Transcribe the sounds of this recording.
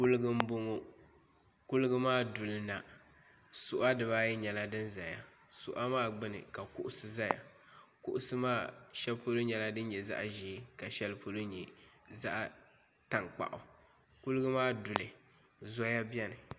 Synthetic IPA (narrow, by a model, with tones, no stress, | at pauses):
ku˦lɨ˦ɡɨ˦m̩˦bo˦ŋo˦ | kʊ˦lɨ˦ɡɨ˦maː˦˨dʊ˨lɨ˦na˨ | sʊ˨ʔa˦dɨ˨βa˦jɛ˦ɲɛ˨la˦dɨ˦nza˨ja̰˨ | sʊ̰˨ʔa˦maː˦ɡ͡bɨ˦nɨ̰˨ka˨kʊ˦ʔʊ˦sɨ˨za˦ja̰˨ | kʊ˦ʔʊ˦sɨ˦maː˦˨ʃɛ˦lpo˦lo˦ɲɛ˨la˦dɨ˦n˦ɲɛ˨za̰˦ʔʒiː˨˦ka˨ʃɛ˦lpʰo˦lo˦ɲɛ˨za̰˦ʔ | ta˨ŋk͡pa̰˨ʔʊ˨ | kʊ˦lɨ˦ɡɨ˦maː˦dʊ˨lɨ˨ | zɔ˦ja˦bjɛ˦nɨ˨